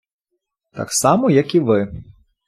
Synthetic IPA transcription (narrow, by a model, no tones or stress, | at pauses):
t̪a̰ksɑmɔjɐkiʋɨ